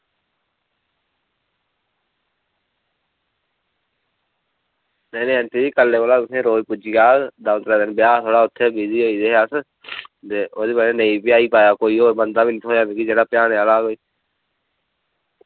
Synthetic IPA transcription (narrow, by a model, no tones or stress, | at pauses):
nɛːnẽːənt̪eːiːkəlːeːʋoːlaːt̪ʊsẽːɾoːpʊd͡ʒiːɡaːd̪aːʊt̪ɾaːd̪ɪnbɪjaːt̪ʰoːɽaːʊt̪ʰːeːbiːziːɦoːiːd̪eːɦjaːs | t̪eːoːd̪iːpəɾẽnə̃ĩːpjaːiːpaːjaːkoːiːɦoːbənd̪aːbiːnɪt̪ʰɦoːjãːmiːkid͡ʒeːɽaːpɪjaːneːalaːɡoːiː